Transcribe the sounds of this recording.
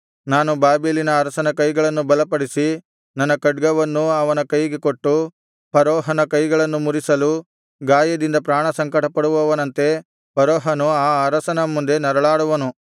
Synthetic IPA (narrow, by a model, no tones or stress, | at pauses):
naːnubaːbilinɐːɾɐsɐnɐkɐjɡɐɭɐnːubɐlɐpɐɽisi | nɐnːɐkɐɖɡɐʋɐnːuɐʋɐnɐkɐjɡekoʈːu | pɐɾɔːɦɐnɐkɐjɡɐɭɐnːumuɾisɐlu | ɡaːjɐd̪ind̪ɐpɾaːɳɐsɐŋkɐʈɐpɐɽuʋɐʋɐnɐnt̪e̞ | pɐɾɔːɦɐnuaːɐɾɐsɐnɐmːund̪e̞nɐɾɐɭaːɽuʋɐnu